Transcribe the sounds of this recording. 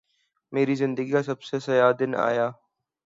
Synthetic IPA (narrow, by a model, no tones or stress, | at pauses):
meːɾizɪ̃nd̪əɡiasɐbsesɐjaːd̪ɪna̰ːjaː